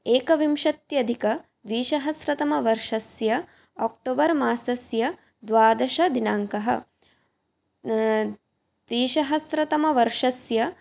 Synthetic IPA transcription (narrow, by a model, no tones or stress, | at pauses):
eːkɐʋimʃɐt̪jɐd̪ʱikɐ | d̪ʋiːʃɐɦɐsɾɐt̪ɐmɐʋɐɾʂɐsjɐ | aːk̚ʈoːbɐɾmaːsɐsjɐ | d̪ʋaːd̪ɐʃɐd̪inaːŋkɐɦɐ̰̆ | d̪ʋiːʃɐɦɐsɾɐt̪ɐmɐʋɐɾʂɐsjɐ